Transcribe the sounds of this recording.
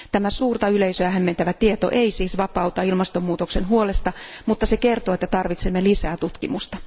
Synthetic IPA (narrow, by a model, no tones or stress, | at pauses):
t̪æmæsuːrt̪ɑyleisøæhæmːent̪æʋæt̪iet̪o̰ʔeisiːsʋɑpɑut̪ɑilmɑst̪omːuːt̪oksenɦuolest̪ɑmut̪ːɑsekert̪oːet̪ːæt̪ɑrʋit̪semːelisæːt̪ut̪kimust̪ɑ